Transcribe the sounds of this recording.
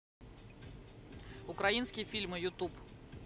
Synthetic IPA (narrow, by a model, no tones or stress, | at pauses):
ʊkɾɐinskʲɪjəfʲilʲmɨjʊt̪up